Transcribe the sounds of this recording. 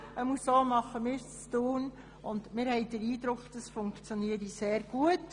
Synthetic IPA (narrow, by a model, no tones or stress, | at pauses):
əmusoːmɑχəmɪːɾst͡st̪uːn | ʊnd̪mɪɾhɛɪd̥̪əɾiːd̪ɾʊkd̥̪ɑsfʊŋkt͡sjoniəɾiseːɾɡ̥uət